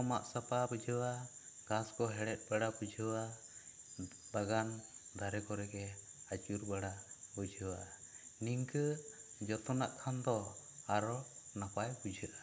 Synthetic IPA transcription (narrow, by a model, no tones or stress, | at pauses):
ɔma̰ʔsapabəd͡ʒʱəwaɡ̥ãskɔɦɛɽɛt̪̚ˀbaɽabud͡ʒʱəwa | baɡand̪ʱaɾɛkɔɾɛɡɛat͡ʃuɾbaɽabəd͡ʒʱəwaniŋkəd͡ʒɔt̪ɔnaʔkʰand̪ɔaɾɔnapajbud͡ʒʱəʔa